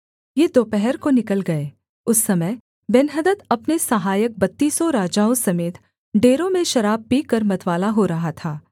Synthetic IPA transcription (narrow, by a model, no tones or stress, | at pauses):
jed̪oːpɛɦɛɾkonɪkəlɡɐeː | ʊsːɐməj | bɪnɦəd̪ət̪ɐpnesɐɦaːjək̚bɐt̪ːiːsoɾaːd͡ʒaːõsɐmeːt̪ | ɖeːɾõmẽʃɐɾaːb̚piːkɐɾmɐt̪ʋaːlaɦoɾɐɦat̪ʰaː